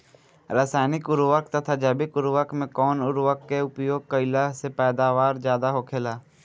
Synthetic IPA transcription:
ɾaːsaːɪnɪkʊɾʋəkt̪ət̪ʰad͡ʒaːbɪkʊɾʋəkmẽkɔːnʊɾʋəkːeʊpjoːɡ̚kəɪlasepɛːd̪aːʋaːɾd͡ʒjaːd̪aɦokʰeːlaː

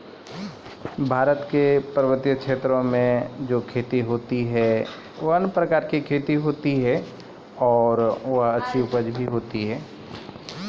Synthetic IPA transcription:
bʱaːɾət̪kepəɾʋət̪jəkʃeːt̪ɾõmẽd͡ʒoːkʰeːt̪iɦoːt̪iɦɛ | ʋɦənpɾəkaːɾkikʰeːt̪iɦoːt̪iɦɛ | ɔːɾʋɐɦɐtːʃʰiʊpəd͡ʒbʱiɦoːt̪iɦɛː

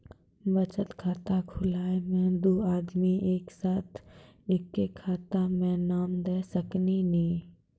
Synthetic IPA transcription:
bət͡ʃət̪kʰaːt̪akʰʊlaːemẽd̪oːaːd̪miʔeːksaːt̪ʰ | ekːekʰːaːt̪amẽnaːmd̪eːsəkninĩː

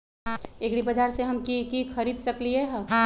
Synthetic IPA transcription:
ekɽibɐd͡ʒ̪ʱaːɾseɦɐmkikixʰɐɾiːd̪sɐklieɦ

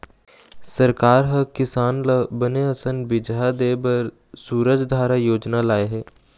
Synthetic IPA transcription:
sɐɾkaːɾɦɐkɪsaːnlbəneɐsənbɪd͡ʒad̪eːbɐɾ | suːɾəd͡ʒd̪ʱaːɾajoːd͡ʒnalaːeɦɛː

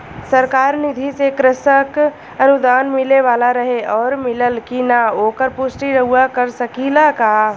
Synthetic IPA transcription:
səɾkaːɾnɪd̪ʱisekɾɪsək | ənʊd̪aːnmɪleʋaːlaɾəɦeɔːɾmɪləlkinaoːkəɾpʊsʈiɾəɦuakəɾsəkilakaː

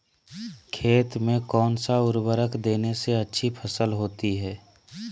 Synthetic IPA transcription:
kʰeːt̪mẽkɔːnsaʊɾbəɾəkd̪eːneseɐtːʃʰipʰəsəlɦoːt̪iɦɛː

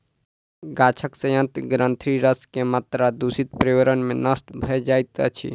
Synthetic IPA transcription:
ɡat͡ʃʰəksəjə̃nt̪ɡɾənt̪ʰɾiɾəskemat̪ɾad̪usit̪pɾeəɾənmenəst̪bʱəjd͡ʒajt̪ət͡ʃʰḭ

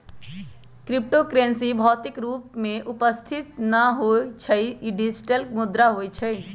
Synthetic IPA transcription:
kɾip̚ʈokɾensibʱɔt̪ikɾupmeʔupəst̪ʰit̪naɦot͡ʃʰəjiɖisʈəlk̚mud̪ɾaɦojt͡ʃʰəj

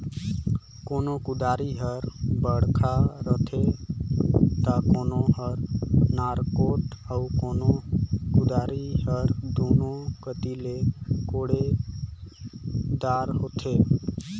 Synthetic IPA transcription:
konokud̪aɾiɦəɾbəɽkʰaɾət̪ʰe | t̪akonohəɾnaɾkoʈaukonokud̪aɾiɦəɾd̪onokət̪ilekoɽe | d̪aɾɦot̪ʰe

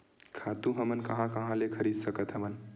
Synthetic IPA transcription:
kʰat̪ũɦəmənkəɦãkəɦãlekʰəɾid̪səkət̪ɦəmən

